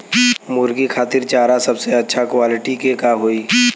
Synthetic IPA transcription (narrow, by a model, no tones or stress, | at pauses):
mʊːɾɡikʰaːt̪ɪɾt͡ʃaːɾasɐbseɐtːʃʰakwaːlɪʈikekaɦoːiː